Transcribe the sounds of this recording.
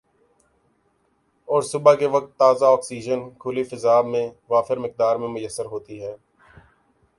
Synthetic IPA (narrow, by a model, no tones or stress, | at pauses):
ɔːɾsʊbakeʋək̚t̪ːaːzaɔːksiːd͡ʒənkʰʊlifəzaːbmẽʋaːfɪɾmɪk̚d̪aːɾmẽmʊjəsːəɾɦoːt̪iɦɛː